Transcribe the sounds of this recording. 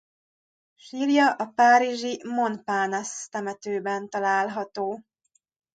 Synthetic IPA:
ʃiːljɒʔɒpaːɾiʒimo̞npaːnast̪ɛmɛt̪øːbɛnt̪ɒlaːlɦɒt̪oː

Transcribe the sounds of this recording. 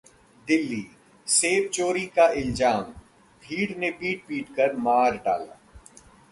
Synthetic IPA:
d̪ɪlːiː | seːb̚t͡ʃoːɾikaɪlzaːm | bʱiːɽnepiːʈ̚piːʈkəɾmaːɾɖa̰ːla̰ː

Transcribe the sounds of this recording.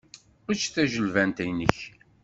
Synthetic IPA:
ʊt͡ʃːθæʒəlvænt̪æjnə̰ç

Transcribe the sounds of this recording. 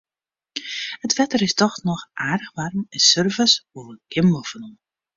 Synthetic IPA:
hətʰʋɛtərɪstɔxnɔxʔaːdəxʋarmənsørvəsuləɡ̥ɪmɔvənum

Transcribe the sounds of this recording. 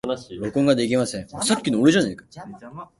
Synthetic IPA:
oɭk͈onɡaneɡimɦasʰesʰap̚k͈inoɾed͡ʑanɯɭk͈a

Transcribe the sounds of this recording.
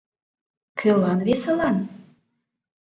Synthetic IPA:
kʰølɑnβesəlɑn

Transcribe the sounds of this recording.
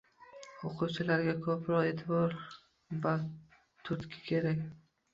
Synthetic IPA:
oqʰuwt͡ʃʰɪlaɾɡʲakʰɒpʰɾɒe̞t̪ʰɪbɒɾ | va | t̪ʰʊt̪kʲʰɪ̥kʲʰe̞ɾakʲ

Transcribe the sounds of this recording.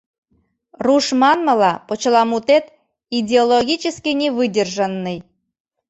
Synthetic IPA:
ruʃmɑnmə̆lɑpot͡ɕlɑmut̪et̪ | idʲeoloɣʲit͡ɕəskʲinʲeβɨdʲerʒə̆nːəj

